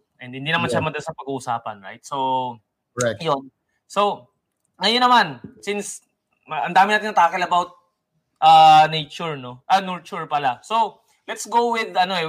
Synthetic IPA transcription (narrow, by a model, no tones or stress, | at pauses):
ʔɛnd̪̚hɪnd̪inɐmanʃamɐd̪ɐnsɐpɐɡuːʔːsaːpɐnɹa̰jt̪̚so | jon | so | ŋɐjonːɐmansɪns | ɐʔɐnd̪aːmɪnaːt̪ɪŋnɐt̪aːkɪlɐbawt̪̚ | ʔɐːnejt͡ʃʊɹno̞ʔɐnuɹt͡ʃʊɹpɐlaso | lɛt̪sɡowɪd̪ɐno̞ʔɛ